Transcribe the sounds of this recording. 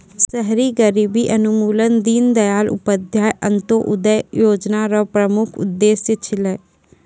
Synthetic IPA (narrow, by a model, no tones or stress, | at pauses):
səɦɾiːɡəɾiːbiːʔənʊmuːlənd̪iːnd̪əjaːlʔʊ̰pəd̪ʱjaːjʔənt̪oːʔʊd̪əjjoːd͡ʒnaːɾɔpɾəmʊkʰʊ̰d̪ːeːsjət͡ʃʰɪlɛː